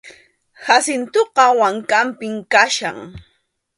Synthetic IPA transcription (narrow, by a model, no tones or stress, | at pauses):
hasɪnt̪oqɑwaŋkampɪmkaʃa̰ŋ